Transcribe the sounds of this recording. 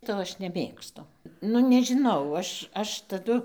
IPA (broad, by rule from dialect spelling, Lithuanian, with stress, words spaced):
ˈtoː ɐʃ nʲɛˈmʲeːkstʊ ˈnʊ nʲɛʒʲɪˈnɐʊ ˈɐʃ ˈɐʃ tɐˈdʊ